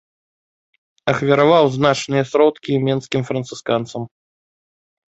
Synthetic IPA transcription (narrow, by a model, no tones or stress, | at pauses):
ɐxvʲiɾavawznat͡ʂnɨjɐsɾɔt̪kʲimʲɛnskʲimfɾɐnt̪sɨskant̪sɐm